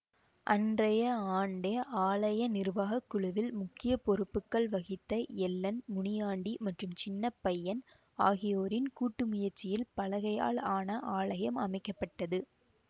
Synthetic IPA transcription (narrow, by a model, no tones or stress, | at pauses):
ʔɐndrɐjɐaːɳɖɐaːɭɐjɐnɪɾʋaːɣɐkːʊɻʊʋɪlmʊkːɪjɐpɔɾɯpːɯkːɐɭʋɐɣɪt̪ːɐɛlːɐnmʊɳɪjaːɳɖimɐʈrɯmt͡ʃɪnːɐpːɐjːɐn | aːɣɪjoːɾɪnkuːʈːɯmʊjɐɾt͡ʃːɪjɪlpɐlɐɣɐja̰ːɭaːnɐʔaːɭɐjɐmɐmɐɪkːɐpːɐʈːɐðɯ